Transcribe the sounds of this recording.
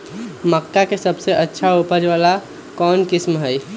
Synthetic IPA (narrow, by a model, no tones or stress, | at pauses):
məkʈakesəbseʔətːʃʰaupəd͡ʒʋala | kɔnkismɦəj